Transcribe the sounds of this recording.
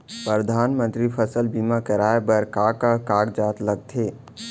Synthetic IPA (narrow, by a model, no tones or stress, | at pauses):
pɾəd̪ʱaːnmə̃nt̪ɾipʰəsəlbiːmakəɾaːebəɾkaːkakaːɡd͡ʒaːt̪ləɡ̚t̪ʰeː